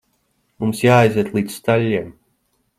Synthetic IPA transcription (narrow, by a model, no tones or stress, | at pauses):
mumsjaːajziːt̪lˠiːt̪sst̪alʲːiɛm